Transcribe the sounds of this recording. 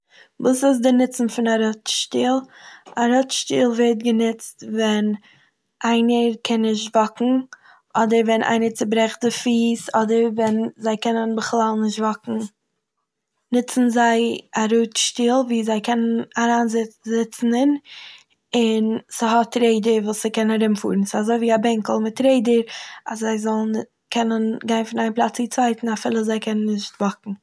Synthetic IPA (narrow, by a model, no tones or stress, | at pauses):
buːsɪs̬dɪnɪt͡sn̩fɪnaɾɔtʃtiːlˠaɾɔtʃtiːlˠvɛt̚ɡənɪt͡stvɛn | ʔaɪnəɾkʰɛnːɪʃtvɔkŋ̩ | ʔɔdəɾvɛnʔa̰ɪnəɾt͡sɪbɾɛχdɪfiːsɔdəɾvɛnzaɪkɛnənbəχlˠalˠnɪʃtvɔkŋ̩ | nɪt͡sn̩zaɪaɾuːtʃtiːlˠviːzaɪkʰɛnənaɾaːnzzɪt͡sn̩ɪn | ɪnsəɦɔtɾeɪdəɾvuːsəkɛnaɾɪmfṵːɾn̩sɪazoɪviːabɛŋkl̩ˠmɪtɾeɪdəɾaszaɪzɔlˠn | kʰɛnənɡaɪnfɪnaɪnplˠat͡siːt͡svaɪtn̩afɪlˠəzaɪkʰɛnənːɪʃtvɔkŋ̩